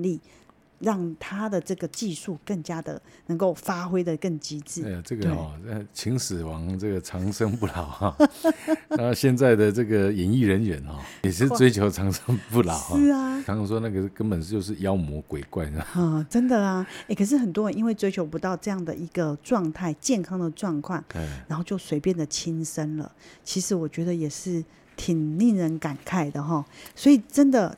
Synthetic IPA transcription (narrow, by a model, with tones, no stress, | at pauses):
li˥˩ | ɻɑ˥˩ŋt̪ʰa˦˥d̪ə˨ʈ͡ʂɤ˥˩ɡə˩t͡ɕi˥˧su˥˧kə˥˩ŋt͡ɕja˦˥d̪ə̰˨nə˧˥ŋko˥˩ʊfa˥xwe˥ɪd̪ə˨kə˥˩ŋt͡ɕi˧˥t͡sɹ̩˥˩˥ʈ͡ʂə˥˩ɡ̪əe˩˥˩ɔ˨˩˥t͡ɕʰi˧˥ŋsɹ̩˨˩wɑ˧˦ŋʈ͡ʂɤ˥˩ɡə˩ʈ͡ʂʰɑ˧˥ŋʂɤ˥ŋpu˥˩lɑ˨˩˦ʊ˧˩˧ | ɕjɛ˥˧nt͡sa˥˩ɪd̪ə˩ʈ͡ʂɤ˥˩ɡə˩jɛ˨˥ni˥˩ɻə˧˦nɥɛ˨˦nxɔ˥˩ɛ˨˩ʂɻ̩˥˧t͡swe˥ɪt͡ɕʰjo˧˥ʊʈ͡ʂʰɑ˧˥ŋʂɤ˥ŋpu˥˩lɑ˨˩˦ʊ˥˩˧ŋ˧ŋʂwɔ˥na˥˩ɡə˩kə˥npə˨n˧t͡ɕjo˥˧ʊʂ̬ɻ̩˥˩jɑ˦˥ʊmwɔ˧˥kwe˨˩ɪkwa˥˩ɪ˥˩˨ə˥˩ʈ͡ʂə˦˥nd̪ə˨lɐ˩e˥˩kʰə˨˩ʂ̬ɻ̩˥˩xə˨˩nt̪wɔ˥ɻə˧˦ni˥nwe˥˩ɪt͡swe˥ɪt͡ɕʰo˧ʊpu˧˥t̪ɑ˥˧ʊʈ͡ʂɤ˥˧jɑ˥˩ŋd̪ə˩i˧˥ɡ̥ə˧ʈ͡ʂwɑ˥˧ŋt̪ʰa˥˩ɪt͡ɕjɛ˥˩nkʰɑ˥ŋd̪ə˨ʈ͡ʂwɑ˥˧ŋkʰwa˥˩na˧˥nxo˥˧ʊt͡ɕjo˥˩ʊswe˧˥ɪpjɛ˥˩nd̪ə˩t͡ɕʰi˥nʂə˥nlə̰˨t͡ɕʰi˧˥ʂɻ̩˧˥wɔ˨˩t͡ɕɥɛ˧˥d̪ə˧jɛ˨˩ʂɻ̩˥˩ | t̪ʰi˨˩ŋli˥˩ŋɻə˧˥nka˨˩nkʰa˥˩ɪd̪ə˨˩ɦɔ˥˩swɔ˧˥i˨˩ʈ͡ʂə˦˥nd̪ə˨